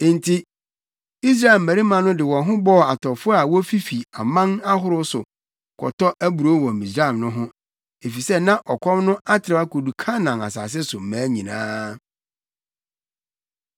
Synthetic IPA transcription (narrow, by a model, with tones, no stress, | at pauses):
ntʰi˦ | i˦s̬ɾa˦ɛ˨lmæ̃˨ɾi˦mã˨nʊ̃˦dɪ˨wɔ̃˨nɦʊ̃˦bɔ˦˨a˨tʰɔ˨fʊ˦a˨wɔ˦fi˦fi˨a˨mã˦na˦ɦʊ˦ɾʊ˦sʊ̰˨ | kʰɔ̰˨tʰɔ˦ʔæ˦bu˨ɾo˦wɔ̃˨mĩ˨sɾa˦ɛ˨nʊ̃˦ɦʊ̃˦ | e˨fi˨sɛ˦nã˦ʔɔ˨kʷʰɔ˦mnʊ̃˦a˦tʰɪ˨ɾɪ˦a˦kʰo˨du˨kʰã˦nã˨na̰˨sa̰ː˨s̬ɪ˦sʊ˨m̩˨mæ̃ː˨˦ɲĩ˨nã̰ː˦